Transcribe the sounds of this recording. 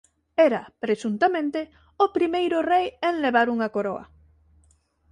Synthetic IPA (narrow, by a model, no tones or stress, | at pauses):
ɛɾɐpɾesunt̪amẽnt̪e | ʊpɾimejɾʊrejeŋleβaɾuŋɐkoɾoɐ̰